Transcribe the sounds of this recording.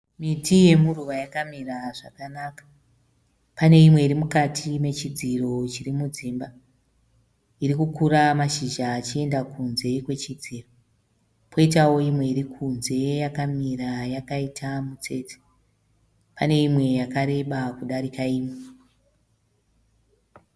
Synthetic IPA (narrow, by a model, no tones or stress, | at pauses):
mitʰije̞muruʋajakamiraʐa̰kanaːkḁ | pane̞imwe̞iɾimukatʰime̞t͡ʃid͡ziro̞t͡ʃiɾimud͡ziːmba | iɾikukuɾamaʃiʒaːt͡ʃie̞ndakunze̞kwe̞t͡ʃid͡ziːro̞ | pʰo̞it̬awo̞imwe̞iɾikʰunze̞jakamirajakaitʰamut͡se̞ːt͡se̥ | pane̞imwe̞jakaɾe̞ɓakuɗaɾikaiːme